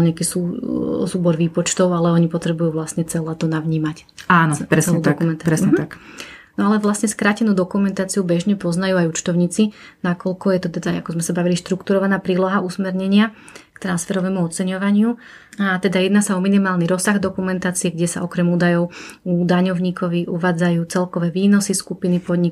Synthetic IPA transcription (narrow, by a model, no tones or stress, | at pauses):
ɲeakiːsusuːbɔɾʋiːpɔt͡ʃt̪ɔʊalɛɔɲipɔt̪ɾɛbujuːʋlasɲɛt͡sɛlaːt̪ɔnaʋɲiːmac | aːnɔɾɛsɛluːd̪ɔkumɛnt̪apɾɛsɲɛaknɔalɛʋlasɲɛskɾaːcɛnuːd̪ɔkumɛnt̪aːt͡siubɛʒɲɛpɔznajuajut͡ʃt̪ɔʊɲiːt͡sinakɔlkɔjɛt̪ɔt̪ɛd̪aajakɔzmɛsabaʋiliʃt̪ɾukt̪uɾɔʋanaːpɾiːlɔɦausmɛɾɲɛɲɪa | kt̪ɾansfɛɾɔʋɛːmuɔt͡sɛɲɔʋaɲɪu | at̪ɛd̪ajɛd̪naːsaɔminimaːlniɾɔsaɣd̪ɔkumɛnt̪aːt͡siɛɡɟɛsa̰ʔɔkɾɛmuːd̪ajɔʊuːd̪aɲɔʊɲiːkʰɔʋiuʋaːd͡zajuːt͡sɛlkɔʋɛːʋiːnɔsiskupinipɔd̪ɲik